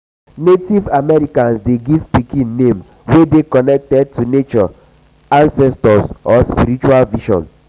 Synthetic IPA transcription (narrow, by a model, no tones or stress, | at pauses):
netivamɛɹikãnsdeɡivpikĩnːẽm | wedekɔnɛk̚tɛd̚tunet͡ʃɔ | ãnsɛstɔsɔspiɾit͡ʃualviʃɔ̰̃n